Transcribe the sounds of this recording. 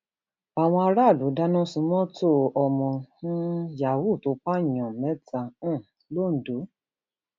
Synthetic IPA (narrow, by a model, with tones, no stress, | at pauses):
a˨w̃ɔ̃˧a˧ɾa˦˨du˨˦da˦nɔ̃˦sũ˧˦mɔ̃˦to˦˨ɔ˧˨mɔ̃˧nũ˦ja˨wu˦˨to˨˦k͡pa˦˨ɲɔ̃˨mɛ̃˨˦tã˧˦˨ | lo˦˨n̩˨do˨˦